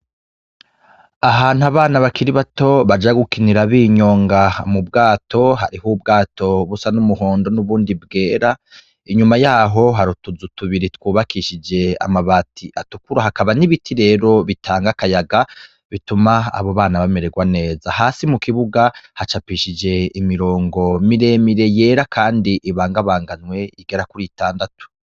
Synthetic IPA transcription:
aɦaːn̥uaβaːnaβakiɾiβato̞βad͡ʒaɡukiniɾaβiːɲo̞ːŋɡamubɡaːtʰo̞ɦa̰ɾihub̚ɡaːto̞βusanumuɦo̞ːndo̞nuβuːndibɡe̞ːɾa | iɲumajaːɦo̞ɦaɾutuzutuβiɾitwuːβakiʃid͡ʒe̞a̰maβatiʔatukuɾahakaβaniβitʰiɾe̞ːɾo̞βitʰaːŋɡakajaɡa | βituma̰ːβo̞βaːnaβameɾe̞ɡwane̞ːzaɦaːsimukiβuɡahat͡ʃapiʃid͡ʒe̞imiɾo̞ːŋɡo̞miɾe̞miɾe̞je̞ːɾakʰaːndiʔiβaːŋɡaβaːŋɡanwe̞iɡe̞ɾakuɾitaːndatu̥

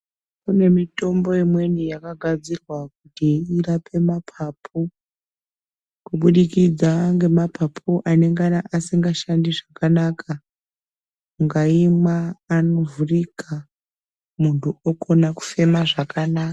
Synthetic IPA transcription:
kune̞mito̞mbo̞imwe̞nijakaɡʱad͡zirwakutiirapʰe̞mapʰapʰu | kuɓuɗikid͡zaŋɡe̞mapʰapʰuʔane̞ŋɡanaʔasiŋɡaʃandiʐakanakʰa | ŋɡaimaːno̞vurika | muntuoko̞naku̥fe̞maʐakanaka

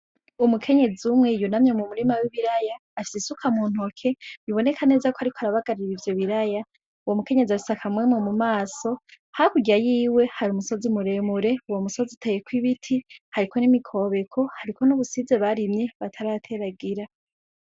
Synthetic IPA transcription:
umukʰe̞ɲe̞ziumŋe̞junamɲemumuɾimawiβiɾajaːfi̥sisukʰamuːn̥ho̞kʰe̞miβo̞ne̞kʰane̞ːzakohaɾikoaɾaβaɡaɾiiɾivjo̞βiɾaja | uwomuke̞ɲe̞ziausakʰamwemomumaːso̞ | hakuɟajiːwe̞haɾumuso̞zimuɾe̞muɾe̞uwomuso̞zitʰejekwiβitʰihaɾikʰo̞nimikʰo̞βe̞kʰo̞haɾikʰo̞nuβusize̞βaɾimɲe̞βatʰaɾatʰe̞ɾaɡiɾa

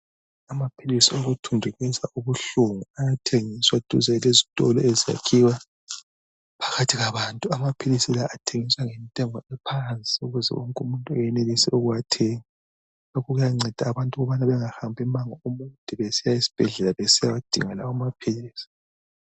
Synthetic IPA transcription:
amapʰilisioɣutʰundʱuɣisaʔuβuɬuŋuajatʰeŋiswad̥ʱṵzɛlezitʼɔ̰lɔ̰ezija̰kʰiwa | pʰḁɣatʰiɣaβaːntʼuamapʰilisilaʔatʰeŋiswaŋɛntʼɛŋɔɛpʰant͡sʼiuɣuzɛ̰wɔ̰ŋkʼumuntʼuɛjɛnelisɛuɣuwatʰeŋi | lokɔɣujaŋ͡ǀɛd̥ʱaːβantʼuɣɔβanaβɛŋahambʱimaŋɔumuntʼiβesijaisi̥b̥ʱɛɮɛlaβesijawad̥ʱḭŋalaamapʰiliːsi̥

